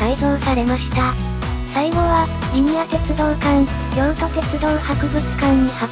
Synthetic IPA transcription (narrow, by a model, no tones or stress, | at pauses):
aizoːsaɾe̞maɕi̥t̪a | saiɡoβa | bʲiɲiat̪e̞t͡sɨd̪o̞ːkãɰ | jõŋkat̪e̞t͡sɨd̪o̞ːhakɯ̟bɯ̟t͡sɨ̥kãɲ̟ːiha